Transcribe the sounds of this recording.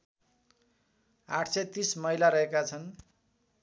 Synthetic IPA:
aʈʰset̪ismʌjlaɾʌɦekat͡sʰʌn

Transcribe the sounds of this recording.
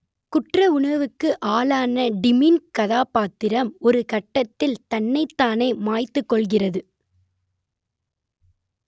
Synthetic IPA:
kʊʈrɐʊɳɐʋɯkːɯʔaːlaːnɐɖɪmiːnkɐðaːpaːt̪ːɪɾɐmɔɾɯkɐʈːɐt̪ːɪlt̪ɐnːɐɪt̪ːaːneːmaːjt̪ːɯkːɔɭɣɪrɐðɯ

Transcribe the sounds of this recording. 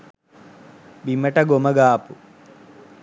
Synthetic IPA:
bimɐʈɐɡomɐɡaːpu

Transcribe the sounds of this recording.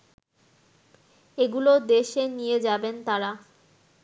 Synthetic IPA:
eɡulod̪eʃenijed͡ʑabent̪aɾa

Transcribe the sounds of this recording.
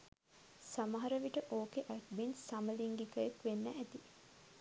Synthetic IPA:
samɐɦɐɾəʋiʈəʔoːkeʔæʈ̚binsaməliŋɡikəjekʋenːæʔæt̪i

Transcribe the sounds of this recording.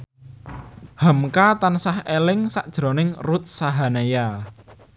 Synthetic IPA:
hə̤mkat̪ansahelɪŋsa̰ʔd̥ʒ̥ɾo̤nɪŋrut̪̚saɦaneja

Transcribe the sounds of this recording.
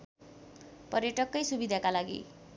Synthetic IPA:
pʌrjʌʈʌkːʌjsubid̪ʱakalaɡḭ

